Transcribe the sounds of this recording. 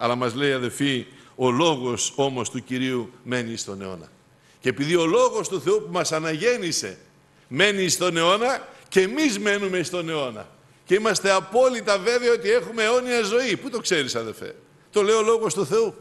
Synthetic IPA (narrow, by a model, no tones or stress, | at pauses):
ɐlɐmɐzle̞iɐðe̞lfio̞lo̞ɣo̞so̞mo̞st̪uciɾiume̞nist̪o̞ne̞̰o̞̰nɐ̰ | ce̞ːpiðio̞lo̞ɣo̞st̪uθe̞upumɐsɐnɐʝe̞nise̞̰ | me̞niːst̪o̞ne̞o̞nɐce̞mizme̞numest̪o̞ne̞o̞nɐ̰ | ce̞imɐst̪e̞ɐpo̞lit̪ɐve̞veɐo̞t̪ie̞xume̞ːo̞niɐzo̞iput̪o̞kse̞ɾisɐðelfe̞̰ | t̪o̞le̞io̞lo̞ɣo̞st̪uθe̞u